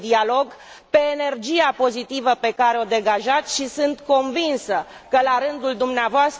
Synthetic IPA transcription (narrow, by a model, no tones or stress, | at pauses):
d̪ialo̞ɡ | pe̞ːne̞rd͡ʒijapo̞zit̪ivəpe̞kaɾeo̞d̪e̞ɡaʒat̪sʲʃisɨnt̪ko̞nvinsə | kəlaɾɨnd̪uld̪umneavoast̪